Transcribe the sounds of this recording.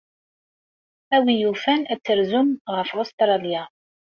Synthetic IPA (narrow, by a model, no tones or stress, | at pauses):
æwijufænæt͡sːəɾzʊmʁəfost̪ɾˤɑlja